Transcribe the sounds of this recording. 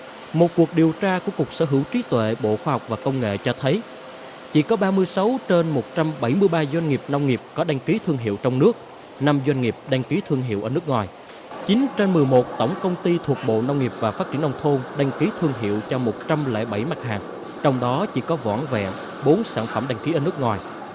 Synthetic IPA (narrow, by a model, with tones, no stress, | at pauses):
mo˨˩t̚ku˨˩ək̚ɗi˨˩əwt͡ɕaː˧ku˧˩əku˨˩ək̚sə̰ː˧˩ɦɨ˧˩wt͡ɕi˨˦t̪wḛ˧˨ɓo̰˧˨xwaː˧ɦɔ˨˩k͡p̚vaː˨˩kə˧wŋ͡mŋḛ˧˨t͡ɕɔ˧t̪ʰə˨˦j | t͡ɕḭ˧˥kɔ˨˦ɓaː˧mɨ˧əjsa˨˦wt͡ɕe˧nmo˨˩t̚t͡ɕa˧mɓə˧˩jmɨ˧əjɓaː˧zwa˧jŋ̟ŋi˨˩p̚na˧wŋ͡mŋi˨˩əp̚kɔ˨˦ɗa˧jŋ̟ki˨˦t̪ʰɨ˧əŋɦḭ˧˨əwt͡ɕɔ˧wŋ͡mnɨ˦˥ək̚ | na˧mzwa˧jŋ̟ŋi˨˩p̚ɗa˧jŋ̟ki˨˦t̪ʰɨ˧əŋɦḭ˧˨əʔəː˧˩nɨ˦˥ək̚ŋwaː˨˩j | t͡ɕi˨˦ŋt͡ɕe˧nmɨ˨˩əjmo˨˩t̚t̪ə˧˩wŋ͡mkə˧wŋ͡mt̪i˧t̪ʰu˨˩ək̚ɓo̰˧˨na˧wŋ͡mŋi˨˩əp̚vaː˨˩faː˦˥t͡ɕi˧˩ənʔa˧wŋ͡mt̪ʰo˧nɗa˧jŋ̟ki˨˦t̪ʰɨ˧əŋɦḭ˧˨əwt͡ɕɔ˧mo˨˩t̚t͡ɕa˧mlɛ̰ː˧˥ɓa˧˩jma˨˦˥t̚haː˨˩ŋ | t͡ɕɔ˧wŋ͡mɗɔ˨˦t͡ɕḭ˧˥kɔ˨˦vɔ̰ː˧˥nvɛ̰˧˨ | ɓo˨˦nsaː˧˩nfə˧˩mɗa˧jŋ̟ki˨˦ʔːnɨ˦˥k̚ŋwaː˨˩j